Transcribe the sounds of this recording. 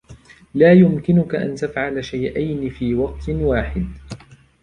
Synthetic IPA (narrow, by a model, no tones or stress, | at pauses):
laːjʊmkɪnʊkaʔa̰nt̪afʕalaʃajʔajnɪfiːwɑq̚t̪waːħɪd̪